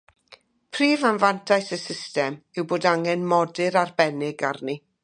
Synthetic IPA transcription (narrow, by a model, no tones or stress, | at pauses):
pʰriːvanvantʰajsəsɪstɛmɪwboːdaŋɛnmɔdɪɾarbɛnɪɡarni